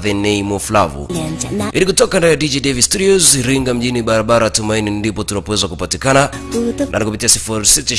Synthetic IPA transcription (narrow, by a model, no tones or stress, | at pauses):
ðɛnɛjmuflavṵʔilikutɔkandaɛjadid͡ʒidɛvistudiɔziɾiŋɡam̩ʄiniɓaɾaɓaɾaatumainindipɔtunapɔwɛzakupatikana | nʔa̰nikup̬itiasifuɾisitu